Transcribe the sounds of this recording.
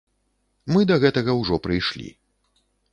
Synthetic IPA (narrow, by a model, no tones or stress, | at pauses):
mɨd̪ɐɣɛt̪ɐɣɐwʐɔpɾɨjʂlʲḭ